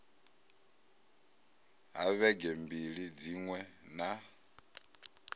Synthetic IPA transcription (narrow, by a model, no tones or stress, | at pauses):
ɦaβɛɡɛmbiɺid͡ziŋwɛna